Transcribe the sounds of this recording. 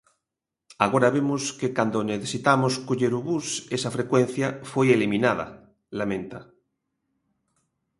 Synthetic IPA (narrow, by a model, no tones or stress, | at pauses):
aɣ̞oɾaβemoskekand̪oneθesit̪amoskoʎeɾuβusesafɾekwen̟θjafwejelimĩnaða̰ | lamẽnt̪a